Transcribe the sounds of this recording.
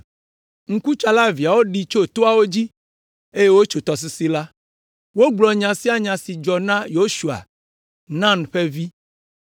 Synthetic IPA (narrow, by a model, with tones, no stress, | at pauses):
ŋ̩˦ku˦t͡ʃa˨la˦vi˨a˨wo˦ɖi˨t͡ʃo˦t̪o˦a˨wo˦d͡ʑi˦ | e˦je˦wo˦t͡ʃo˨t̪ɔ˨s̬i˨si˦la˦ | wo˦ɡ͡blɔ˨ɲã˨si˦a˨ɲã˨si˨d͡ʒɔ˨nã˦jo˦ʃu˨a̰˨ | nã˦nɸe˦vi˦